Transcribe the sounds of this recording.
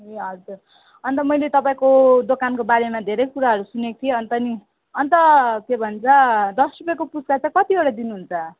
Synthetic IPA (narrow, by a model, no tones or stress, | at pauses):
ɦeʌɾd͡zur | ʌnt̪ʌmʌjlet̪ʌpaĩkod̪okankobaɾemad̪ʱeɾʌjkuɾaɦʌɾusunekt̪ʰieʌnt̪ʌni | ʌnt̪ʌkebʱʌnt͡sʰʌd̪ʌsrupekopuskat͡sãkʌt̪ieɽad̪inuɦunt͡sʰʌ